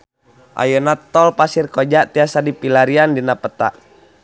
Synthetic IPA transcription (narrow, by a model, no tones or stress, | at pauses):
ʔa̰jɔnat̪ɔlpasirkɔd͡ʒaʔt̪iasadipilaɾiandinapət̪a̰ʔ